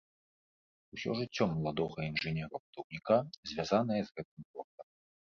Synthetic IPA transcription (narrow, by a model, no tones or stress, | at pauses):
usʲɔ̰ʐɨt͡sʲːɔmɐlˠad̪ɔɣɐinʐɨnʲɛɾɐpud̪ɔwnʲikazʲvʲazanɐjɛzɣɛt̪ɨmpɔrt̪ɐm